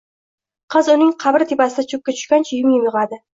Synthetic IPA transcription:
qʰɨzʊnɪŋqʰɑbɪɾt̪ʰepasɪd̪at͡ʃʰʊp̚kʲat͡ʃ̪ʰʊ̥ʃkʲant͡ʃʰɪjɪmjɪmjʊʁad̪ɪ

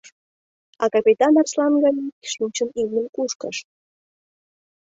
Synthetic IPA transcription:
ɑ̰kɑpʲit̪ɑnɑrslɑnɡɑnʲiʃint͡ɕənilʲnʲənkuʃkə̰ʃ

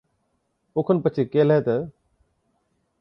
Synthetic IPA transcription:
ʊkʰənpət͡ɕʰekeːleːt̪ə

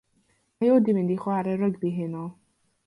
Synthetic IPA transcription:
majodimɪ̃ndiχwaɾɛɾəɡbiɦɪnɔ

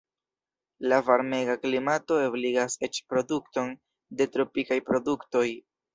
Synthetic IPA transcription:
lavaɾme̞ɡaklimato̞ebliɡase̞t͡ʃpɾo̞dukto̞n | de̞tɾo̞pikajpɾo̞dukto̞j

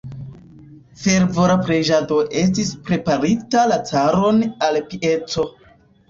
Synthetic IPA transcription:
fe̞ɾvo̞ɾapɾed͡ʒado̞ʔe̞s̬tispɾe̞paɾitalat͡saɾo̞nalpiʔe̞t͡so̞

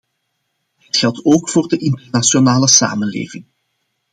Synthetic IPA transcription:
ətxɛlˠtoːkfoːrdəʔɪntərnasjonaːləsa̰ːmənlḛːvɪŋ

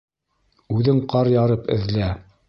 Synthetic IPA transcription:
ʉðɘɴqɑɾjɑɾɤpɘ̰̆ðlæ

